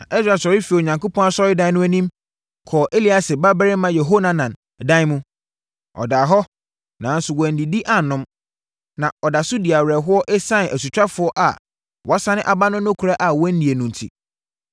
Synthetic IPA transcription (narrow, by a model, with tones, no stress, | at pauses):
nã̰˨ʔi˦sɾa˨sɔ˨ɾɪ˦fi˨o˨ɲã˨ŋko˦pʰɔ̃˦na˦sɔ˦ɾɪ˦dã˦ɪ˦nʊ̃˦æ˦nĩ˦m | kʰɔː˨ʔe˦li˦a˨sɪ˨ba˦bɛ˦ɾɪ˦mã˦jɛ˨ɦo˦nã˦nã˨n˨ | dã˦n˦mũ˦ | ɔ̰˨daː˨ɦɔ˦ | nã˨˦n̩˦sʊ˨wɔ˨n̩˨di˨di˦ʔa˦˨nʊ̃˦m | nã˨ɔ˨da˨sʊ˦di˨a˨wɾɛ˨ɦʊ˦ɔ˦ʔe˦sã˦n˨æ˨su˨t͡ɕᶣa˦fʊ˨˦ɔ˦ʔa̰˨ | wʔɔ˦sã˦nɪ̃˦ʔa˨ba˦nʊ̃˦nʊ̃˦kʰu˨ɾa˦ʔa˨wɔ˦n̩˦nĩ˨e˨nũ˨n˨tʰḭ˨